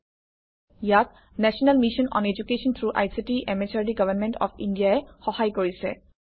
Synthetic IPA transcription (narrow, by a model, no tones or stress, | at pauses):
jat̚ | nɛʃɔnalmiʃɔnɔ̰ned͡ʑukeʃɔnt̪ʰɹuʔa̰jsiʈiʔɛmet͡ʃaɹɖiɡʌvənmɛɳʈɔ̰fʰindijaɛxɔhajkoɹisɛ̰